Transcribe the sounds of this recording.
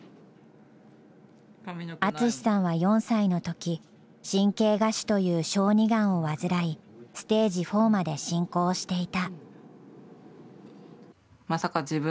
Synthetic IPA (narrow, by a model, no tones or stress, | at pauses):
at͡sɨɕi̥sãɰ̃βajõ̞ɰ̃saino̞t̪o̞kʲi | ɕĩŋke̞ːɡaɕi̥t̪o̞jɯ̟ːɕo̞ːɲ̟iɡãɰ̃o̞βazɨɾai | sɨ̥t̪e̞ːʑiɸo̞ːmad̪e̞ɕĩŋko̞ːɕi̥t̪e̞it̪a | masakad͡ʑibɯ